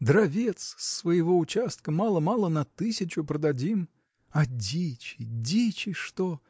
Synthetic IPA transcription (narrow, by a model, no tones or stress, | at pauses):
d̪ɾɐvʲet̪ssːvəjɪvo̞ʊt͡ɕast̪̚kəmalˠəmalˠənɐt̪ɨsʲɪt͡ɕʊpɾəd̪ɐdʲim | ɐdʲit͡ɕɪdʲit͡ɕɪʂt̪o